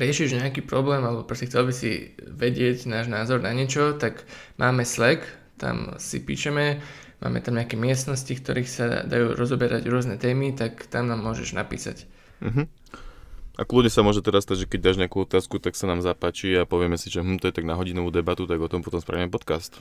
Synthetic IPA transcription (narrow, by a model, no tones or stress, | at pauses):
ɾɪɛʃiʒɲɛakiːpɾɔblɛːmalɛbɔpɾɔscɛxt͡sɛlbisḭʋɛɟɪɛɟnaːʒnaːzɔɾnaɲɪɛt͡ʃɔt̪aɡmʔaːmɛslɛk | t̪a̰msḭpḭːʃɛmɛ | ma̰ːmɛ̰t̪amɲɛakɛmɪɛst̪nɔscikt̪ɔ̰ɾiːxsa̰d̪a̰jṵːɾɔzɔbɛɾʔa̰ɟɾʊɔznɛt̪ɛːmit̪akt̪amnaːmːʊɔʒɛ̰ʒna̰pḭːsa̰c | m̩ɦ̩ | ʔakludɲɛsamʊɔʒɛt̪ɛɾasːt̪aɟʒɛkɛɟ̚d̪aʒɲɪakuːɔt̪aːskut̪aksanaːmzapaːt͡ʃiapɔʋɪɛmɛsiʒɛmm̩t̪ɔjɛt̪aɡnaɦɔɟinɔʋuːd̪ɛbat̪ut̪aɡɔt̪ɔmpɔt̪ɔmspɾa̰ʋimɛpɔt̪kast̪